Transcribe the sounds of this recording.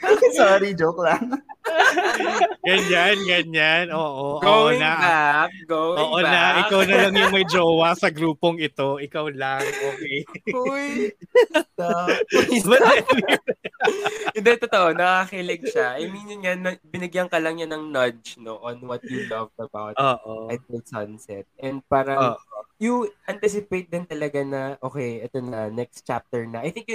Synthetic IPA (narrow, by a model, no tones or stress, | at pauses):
sɔɾid͡ʒoklɐŋ | ɡɐɲanɡɐɲanʔoːʔoʔɡooːwʔoɪnaak̚ɡowʔoːʔonɐʔɪkawnɐlɐŋjʊŋmɐjd͡ʒoːwɐsɐɡɾuːpoŋɪt̪o̞ʔɪkawlaŋʔoːkɛjuj | mɐɛn | ɪnd̪ɛt̪ot̪oʔonɐkakilɪɡ̚ʃaʔɐjminjʊnɲanɐbɪnɪɡjɐŋkɐlɐŋɲanɐŋnɐd͡ʒnoʔõnwɐt̪̚julɐvɐbawt̪oːʔoajd̪ɛld̪sɐnsɛt̪̚ʔɛnd̪̚paːɾɐːʔojuʔɐnt̪ɪsɪpejt̪̚d̪ɪnt̪ɐlɐɡanɐʔoːkɛjʔɛt̪onɐɐnɛkst̪t͡ʃap̚t̪ɛɹnɐʔajθɪ̃ŋkj